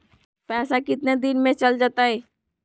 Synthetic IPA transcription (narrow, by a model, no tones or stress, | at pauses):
pɛːsakɪt̪ned̪ɪnmẽt͡ʃəld͡ʒaːt̪aɦɛː